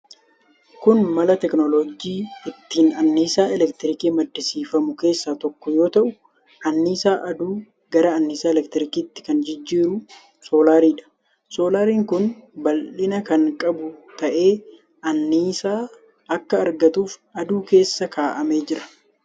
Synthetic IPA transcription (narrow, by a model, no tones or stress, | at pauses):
kʊnmɐlɐt̪ɛknɔlod͡ʒiːɪt̪ːiːnɐnːiːsaːɛlɛkt̪ɪɾɪkiːmɐd̪ːɪsiːfɐmʊke̞ːsːaːt̪ɔkːɔjo̞ːt̪ɐʔʊ | ʔɐnːiːsaːʔɐd̪uː | ɡ̥ɐɾɐɐnːiːsaːɛlɛkt̪ɪɾɪkiːt̪ːɪ̥kɐnd͡ʒɪd͡ʒːiːɾʊ | so̞ːlaːɾiːᶑɐ̥ | so̞ːlaːɾiːŋkʊnbɐlɪnɐkɐŋkʼɐbʊt̪ɐʔe̞ː | ɐnːiːsaː | ɐkːɐːɾɡɐt̪uːfɐd̪uːke̞ːsːɐkʰaːʔɐme̞ːd͡ʒɪɾɐ̥